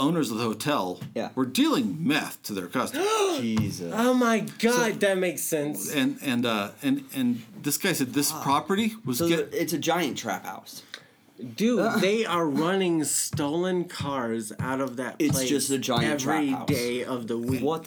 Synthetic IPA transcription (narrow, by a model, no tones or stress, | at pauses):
õʊ̃nə˞zʌvðəhoʊtʰɛlˠjæwə˞dilˠɪ̃ŋmɛθtʰɨðə̰˞kʰʌstd͡ʒizɨoʊmaɪɡɑdðɨt̚meɪksɛ̃nsɨ̃nɨ̃nʌɨ̃nɨ̃nðɪsɡ̥aɪsɛd̪̚ðɪspʰɹ̥ɑpə˞ɾiwʌzɡɛɪtsɨd͡ʒaɪɨ̃ntʰɹ̥æ̰pha̰ʊs | d̥ʉðeɪʔə˞ɹʌnɪ̃ŋstoʊlˠə̃nkʰɑɹza̰ʊɾʌvðɨt̚pɨtl̥eɪd͡ʒʌsɨd͡ʒaɪɛvɹideɪʌvðəwikʌt